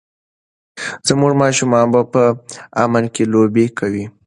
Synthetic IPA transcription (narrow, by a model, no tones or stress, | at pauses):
z̥əmuʐmɑʃumɑnbapəamalkelobekʰawi